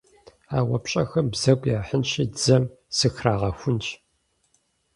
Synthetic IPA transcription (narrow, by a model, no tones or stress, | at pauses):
aːwɐpɕʼɐxɐmbz̥ɐkʷʼjaːħənʃid͡zɐmsɨxraːʁɐxʷʊnt͡ʃʼ